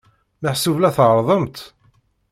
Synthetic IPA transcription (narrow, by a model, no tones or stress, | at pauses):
məħsuvlæθʁɾˤðˤəmt̪